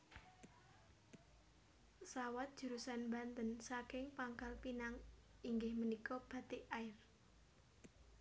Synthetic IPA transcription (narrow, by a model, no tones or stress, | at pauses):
sawat̪̚d̥ʒ̥ə̤ɾusanmbant̪ənsakɪŋpaŋkalpinaŋiŋɡɪhmənikɔb̥a̤t̪ɪʔaɪr